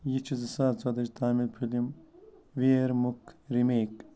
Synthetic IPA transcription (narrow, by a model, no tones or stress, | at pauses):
jit͡ʃʰizisaːt͡sɐd̪ɐd͡ʒt̪ʰaːmilpʰulimʋeːɾmukʰɾimeːk